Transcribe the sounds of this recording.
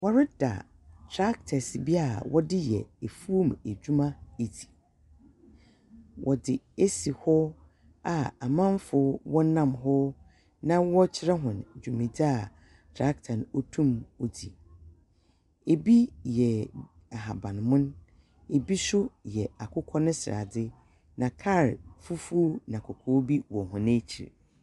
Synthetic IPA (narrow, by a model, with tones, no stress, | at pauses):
wɔ˦ɾɪ˦da̰˨ | tʰɾa˦k̚tʰɛ˨sbi˦a˨wɔ˦dɪ˦jɛ̰˨e˨fu˦o˦m˨e˨d͡ʑᶣu˦mã˦e˨di̥˨ | wʔɔ˨dɪ˨e˦si˨hɔ˦ | a˨a˨mã˦m˦fʊ˦wɔ˦nã˦˨mɦɔ˦ | nã˦wɔ˦t͡ɕʰɪ˦ɾɛ˦ɦʊ̃˨nd͡ʑᶣu˨mĩ˨da˦˨ | tʰɾa˦ktʰã˨no˦tʰũ˦mo˦dḭ˨ | e˨bi˦jɛ˨ | a˨ɦa˨bã˨nmʊ̃˦n | e˨bi˦sʊ˦jɛ˨a˨kʰʊ˦kʰɔ˦nʊ̃˦sɪ˨a̰˨dɪ˦ | nã˨kʰa˦˨ɾfu˦fu˦nã˨kʰɔ˨kʰɔ˦bi˦wɔ˨hʊ̃˨nẽ˦t͡ɕʰḭ˨ɾ̰